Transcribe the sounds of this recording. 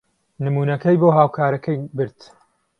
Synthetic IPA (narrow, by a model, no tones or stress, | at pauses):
nɨmuːnɐkɐjboːɦaːwkʰaːɾɐkʰɐjbɨɾt̪